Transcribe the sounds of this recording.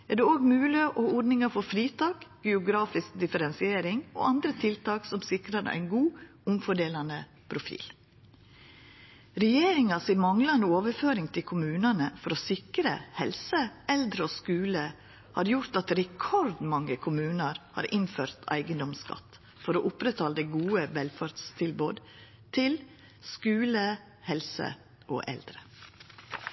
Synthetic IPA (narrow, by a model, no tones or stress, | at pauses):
æɖɛoːɡmʉːlɪʔɔɔɾɖnɪŋɑɾfɔɾfɾiːt̪ʰɑːkɡ̥ɛʊɡɾɑːfɪsk̚d̪ɪfəɾɛnsɪeːɾɪŋo̰ʔɑnd̪ɾət̪ʰɪlt̪ɑːksɔmsɪkɾɑɾə̰æ̰ɪnɡuː | ʊmfɔɖeːlɑnə | pʰɾʊfḭːl | ɾɛjeːɾɪŋɑsɪmɑŋlɑnəoːʋəɾføːɾɪŋt̪ʰɪlkʰʊmʉːnɑnəfɔɾɔsɪkɾə̰hɛlsəʔɛld̪ɾəoːskʉːlə | hɑ̰ːɾjʊɾt̪ɑt̪ɾɛkʰɔɾd̪mɑŋːəkʰʊmʉːnəɾhɑ̰ːɾʔɪnføːɾt̪ʰæ̰ɪɡənd̪ɔmskɑ̰t̪ː | fɔɾoːʔʊpɾət̪ʰɑːld̪ɛɡuːəʋɛlfɑɾd̪st̪ʰɪlboːd̪ | t̪ʰɪl | skʉːlə | hɛlsə̰ | oːʔɛ̰ld̪ɾə